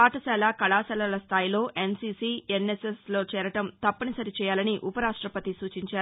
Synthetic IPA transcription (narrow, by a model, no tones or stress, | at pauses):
aːʈɐsɛːlaːkɐɭaːsɛːlɐlɐst̪ʰaːjilo̞ːʔensiːsiːenːeseslo̞ːt͡ʃɛːɾɐʈɐmt̪ɐpːɐnisɐɾit͡ʃɛːjaːlɐniʔupɐɾaːʂʈɾɐpɐt̪isuːt͡ʃiɲt͡ʃaːɾu